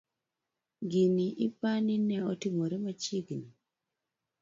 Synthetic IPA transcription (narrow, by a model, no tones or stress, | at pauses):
ɡiniʔipaninɛɔtimoɾɛmat͡ʃiɡni